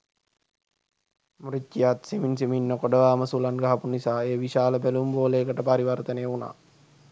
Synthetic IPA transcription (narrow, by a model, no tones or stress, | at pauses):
mɾitːijat̪seminsiminːəkoɖəʋaːməsulanɡaɦɐpunisaːeːʋiʃaːləbælumboːleːkəʈəpaɾiʋaɾt̪ənejuna̰ː